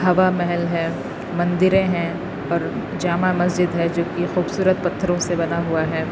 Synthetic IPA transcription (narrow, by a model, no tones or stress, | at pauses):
ɦɐʋamɛɦɛlɦɛ̃ː | mɐ̃nd̪ɪɾẽɦɛ̃ | ɔːɾ | d͡ʒaːmamɐs̬d͡ʒɪd̪ɦɛd͡ʒoːkixuːbsuːɾət̪̚pɐt̪ʰːəɾõsebɐnaɦuaɦɛː